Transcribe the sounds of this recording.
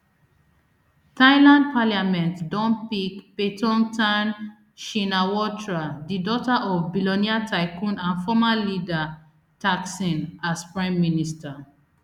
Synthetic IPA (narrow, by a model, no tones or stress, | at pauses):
taɪlãnd̚paljamɛ̃ntdɔ̃npikpetɔ̃ntãn | ʃinawɔtɹadidɔtaʔɔvbilɔniatʰaɪkũnãnfɔmalida | taksĩnaspɹãmːinista